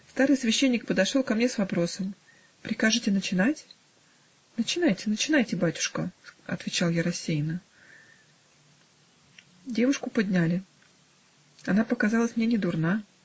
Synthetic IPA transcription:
st̪aɾɨjsvʲɪɕːenʲːɪk̚pəd̪ɐʂolˠkɐmnʲesvɐpɾo̞səm | pɾʲɪkaʐɨtʲɪnət͡ɕɪnatʲ | nət͡ɕɪnajtʲɪnət͡ɕɪnajtʲɪbatʲʊ̥ʂkəɐ̰t̪vʲɪt͡ɕalˠjaɾɐsʲːejnə | dʲevʊʂkʊpɐdʲnʲalʲɪ | ɐnapəkɐzɑlˠəsʲmnʲenʲɪd̪ʊrna

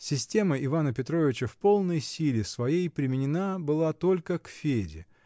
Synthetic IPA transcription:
sʲɪsʲtʲe̞məɪvanəpʲɪt̪ɾo̞vʲɪt͡ɕəfpo̞lˠnəjsʲilʲɪsvɐjejpɾʲɪmʲɪnʲɪnabɨlˠat̪o̞lʲkəkfʲedʲɪ̰

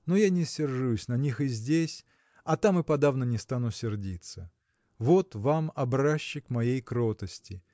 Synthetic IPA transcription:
nojanʲɪsʲːɪrʐusʲnɐnʲixɨzʲdʲesʲ | ɐt̪amɨpɐd̪avnənʲɪst̪anʊsʲɪrdʲit̪sə | vo̞t̪vamɐbɾaɕːɪkmɐjejkɾo̞t̪əsʲtʲɪ

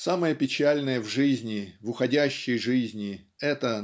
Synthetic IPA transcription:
saməjəpʲɪt͡ɕælʲnəjəvʐɨzʲnʲɪvʊxɐdʲæɕːɪjʐɨzʲnʲɪ | ɛt̪ə

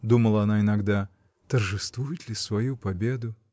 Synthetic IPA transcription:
d̪uməlˠɐɐnainaɡd̪a | t̪ɐrʐɨst̪vujɪt̪ʲlʲisvɐjupabʲed̪ʊ

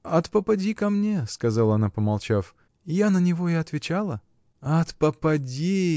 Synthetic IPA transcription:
ɐt̪pəpɐdʲikɐmnʲeskɐzalˠəɐnapəmɐlˠt͡ɕaf | janənʲɪvo̞ɪɐt̪vʲɪt͡ɕalˠə | ɐt̪pəpɐdʲi

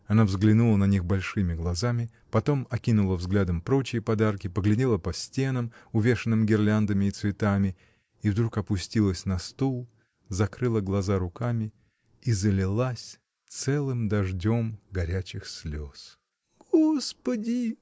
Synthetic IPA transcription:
ɐnavzɡlʲɪnulˠənɐnʲixbɐlʲʂɨmʲɪɡlˠɐzamʲɪ | pɐt̪o̞mɐkʲinʊlˠəvzɡlʲad̪əmpɾo̞t͡ɕɪjəpɐd̪arkʲɪpəɡlʲɪdʲelˠəpɐsʲtʲen̪əmʊvʲe̞ʂɨnːɨmɡʲɪrlʲand̪əmʲɪːt̪svʲɪt̪amʲɪ | ivd̪ɾukɐpʊsʲtʲilˠəsʲnɐst̪ulˠ | zɐkɾɨlˠəɡlˠɐzaɾʊkamʲɪ | izəlʲɪlˠasʲ | t̪sɛlˠɨmd̪ɐʐdʲo̞mɡɐɾʲæt͡ɕɪxsʲlʲos | ɡ̥ospədʲɪ

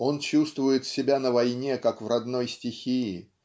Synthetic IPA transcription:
o̞nt͡ɕust̪vʊjɪt̪sʲɪbʲanəvɐjnʲekakvrɐd̪no̞jsʲtʲɪxʲijɪ

